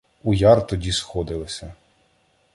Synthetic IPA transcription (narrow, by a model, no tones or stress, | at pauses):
ujɑrt̪ɔdʲisxɔd̪ɪlˠɪsʲɐ